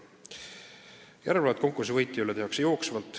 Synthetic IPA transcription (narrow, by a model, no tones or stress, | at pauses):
jæɾevɑlɑt̪̚ko̞ŋkːˑursivɤjt̪ːˑiylːeehɑksejo̞ːksvɑlt̪ːˑ